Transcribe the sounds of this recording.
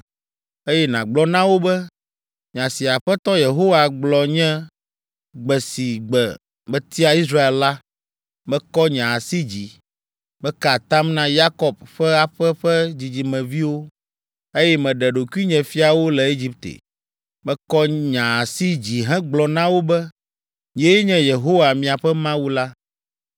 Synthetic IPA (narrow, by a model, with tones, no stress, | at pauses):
e˦jɛ˦nã˨ɡ͡blɔ˦nã˦wo˦bɛ˦ | ɲã˨si˨a˨ɸɛ˦t̪ɔ˦je˨ɦo˦wa˨ɡ͡blɔ˨ɲɛ̃˦ | ɡ͡bɛ˨si˨ɡ͡bɛ˨ | mɛ̃˦t̪i˦a˨i˦s̬ɾa˦e˨lla˦ | mɛ̃˦kɔ˦ɲã˨a˨si˦d͡ʑi˨ | bɛ˦ka˨t̪a˦mnã˦ja˦kɔ˨b̚ɸɛ˦a˨ɸɛ˦ɸɛ˦d͡ʑi˨d͡ʑi˨mɛ̃˨vi˦wo˦ | e˦jɛ˦mɛ̃˨ɖɛ˨ɖo˨ku˦i˦ɲɛ̃˨fi˦a˨wo˦lɛ˨e˦d͡ʑi˦p̚t̪ḛ˨ | mɛ̃˦kɔ˦ɲã˨a˨si˦d͡ʑi˨ɦɛ̃˦ɡ͡blɔ˨nã˦wo˦bɛ˦ | ɲ̃˨e˦ɲɛ̃˦je˨ɦo˦wa˨mĩ˨a˨ɸɛ˦mã˦wu˦la˦